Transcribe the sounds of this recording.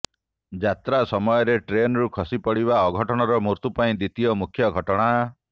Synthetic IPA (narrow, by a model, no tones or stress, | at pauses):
d͡ʒat̪ɾasɔmɔjɔɾeʈɾenɔɾukʰɔsipɔɽiβaɔɡʱɔʈɔɽ̃ɔɾɔmuɾt̪upaĩd̪it̪ijɔmukʰjɔɡʱɔʈɔɽ̃a